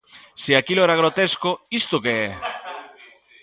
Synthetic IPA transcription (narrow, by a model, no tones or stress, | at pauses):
siakiloɛɾaɣ̞ɾot̪eskoist̪okeɛ